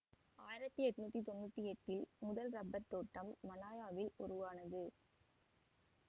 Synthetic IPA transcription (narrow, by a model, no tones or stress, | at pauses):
aːjɪɾɐt̪ːɯɛʈːɯnuːt̪ːit̪ɔnːut̪ːiɛʈːɪlmʊðɐlɾɐbːɐɾt̪oːʈːɐmːɐlaːjaːʋɪlʊ̰ɾʊʋaːnɐðɯ